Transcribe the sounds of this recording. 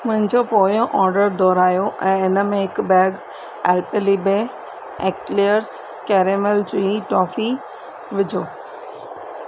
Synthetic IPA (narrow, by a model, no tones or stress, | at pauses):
mʊ̃ɦɪ̃ɲd͡ʑopoːjoʔɔːɾɖəɾd̪ʱɔːɾaːjoʔɛ̃ːɪnəmẽɦɪkbɛːɡ | ɛːlpelibe | ekʈliəɾs | kɛːɾemelt͡ɕiiʈɔːfi | ʋɪd͡ʑʱoː